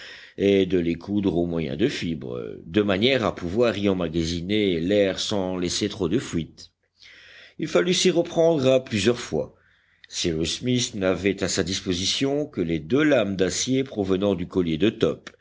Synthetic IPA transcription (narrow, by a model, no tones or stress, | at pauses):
ed̪əlekʰud̪ʁomwajɛ̰̃d̪əfibʁə̰d̪əmanjɛʁapuvwaʁiɑ̃maɡazinelɛʁsɑ̃lɛset̪χod̪əfɥit̪ | ilfalysiʁəpχɑ̃d̪ʁaplyzjœʁfwa̰ | siʁusmisnavɛt̪asad̪ispozisjɔ̃kəled̪ølamd̪asjepχɔvənɑ̃d̪ykɔljed̪ət̪ɔp